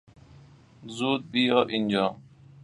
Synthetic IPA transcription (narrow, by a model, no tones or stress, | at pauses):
zuːd̪̚bijoːʔind͡ʑaː